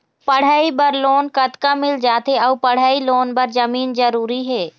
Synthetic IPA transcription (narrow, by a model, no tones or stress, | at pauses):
pɐɽ̤aːibɐɾloːnkɐt̪kamɪld͡ʒaːt̪ɦeɔːpɐɽ̤aːiloːnbɐɾd͡ʒɐmiːnd͡ʒəɾuːɾiɦɛː